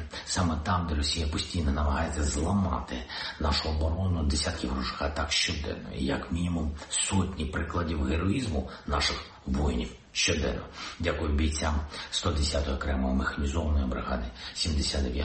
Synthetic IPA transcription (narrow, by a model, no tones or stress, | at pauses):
sɑmɛt̪ɑmd̪ɛɾɔsʲijɐpɔsʲtʲijnɔnɐmɐɦɑjet͡sʲːɐzlˠɐmɑ̰t̪ɪnɑʃʊɔbɔɾɔnʊd̪esʲat̪kɪɦɾuʒɪ̥xɐt̪ɑkʃt͡ʃɔd̪ɛ̰nːɔ̰j̰jɐkmʲinʲimumsɔtʲnʲipɾɪklˠɐdʲiwɦeɾɔizmʊnɑʃɪx | ʋɔjnʲiw | ʃt͡ʃɔd̪ɛ̰nːɔ̰dʲakʊjʊbʲijt͡sʲamst̪ɔd̪esʲat̪ɔɦɔkɾɛmɔɦɔmexɐnʲizɔʋɐnɔjibɾɪɦɑ̰d̪ɪsʲimd̪esʲad̪ɛʋʲja